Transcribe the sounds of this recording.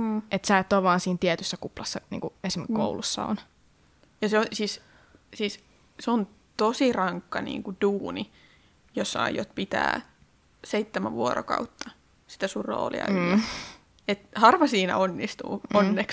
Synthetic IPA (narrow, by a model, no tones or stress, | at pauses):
ʔet̪sæːˑet̪ːoːʋɑːnsiːnt̪iɛt̪ysːækuplɑsːɑnḭŋkuesimekko̰ulusːɑ̰o̰n | jɑseosiːs | siːs | seon | t̪osirɑŋkːɑnḭːŋkud̥uːni | josːɑ̰ijot̪pit̪æ̰ː | seit̪ːæmæ̰ʋʋuoɾo̰kɑ̰ut̪ːɑ | si̥t̪æsurro̰ːlḭɑ̰ | et̪hɑrʋɑsiːnæ̰onːist̪ṵːonːeks